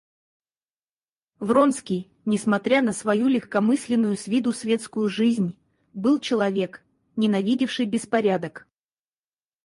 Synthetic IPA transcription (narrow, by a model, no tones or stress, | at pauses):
vro̞nskʲɪj | nʲɪsmɐt̪ɾʲanəsvɐjulʲɪxkɐmɨsʲlʲɪnːʊjʊsvʲid̪ʊsvʲe̞t̪skʊjʊʐɨzʲnʲ | bɨlˠt͡ɕɪlˠɐvʲe̞k | nʲɪnɐvʲidʲɪfʂɨjbʲɪspɐɾʲad̪ək